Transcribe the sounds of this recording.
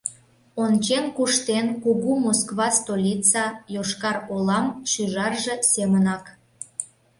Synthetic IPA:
ont͡ɕenkuʃt̪enkuɣumoskβɑst̪olʲit͡sɑjoʃkɑrolɑmʃyʒɑrʒĕsemənɑk

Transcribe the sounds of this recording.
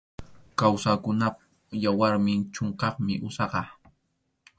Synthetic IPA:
kawsakʊnap | jawaɾmɪnt͡ʃoɴqɑχmɪ̰ʔʊsɑqɑ

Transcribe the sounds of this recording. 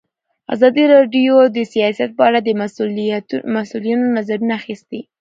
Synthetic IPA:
a̰zɑd̪iɾɑɖjod̪əsijɑsijat̪̚pəaɽad̪ə | masulijanonazaɾunaːxist̪i

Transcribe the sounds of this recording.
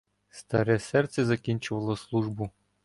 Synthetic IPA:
st̪ɐɾɛsɛrt̪sʲɛzɐkʲinʲt͡ʃʊʋɐlˠɔslˠuʒbʊ

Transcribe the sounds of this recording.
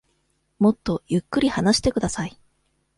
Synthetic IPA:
mo̞t̪ːo̞jɯ̟kːɯ̟ɾʲihanaɕi̥t̪e̞kɯ̟d̪asai

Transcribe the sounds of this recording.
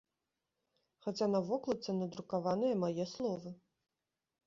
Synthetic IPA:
xat͡sʲanɐvɔklˠɐt̪sɐnɐd̪ɾukavanɨjɐmajɛslˠɔvɨ

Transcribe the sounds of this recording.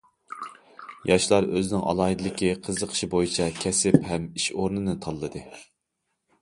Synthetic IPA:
jɑʃlˠɑɾøzɪnɪŋʔɑ̰lˠɑːɦid̪ɨlɪkʲiqʰəzəqʰə̥ʃibojit͡ʃʰɛkʲʰɛsɪphɛmiʃoɾnɨnɨt̪ʰɑlˠːɨd̪ɨ

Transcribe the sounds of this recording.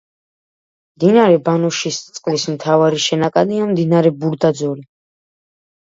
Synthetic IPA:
md̪inaɾɛbanuʃist̪sʼqʼlismt̪ʰavaɾiʃɛnakʼad̪iamd̪inaɾɛbuɾd̪ad̪zɔɾi

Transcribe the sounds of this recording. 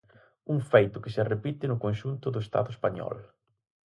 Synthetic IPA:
uŋfejt̪ʊkɪsɪrepit̪ɪnʊkonʃunt̪ʊðʊest̪a̰ðʊespaɲɔ̰l

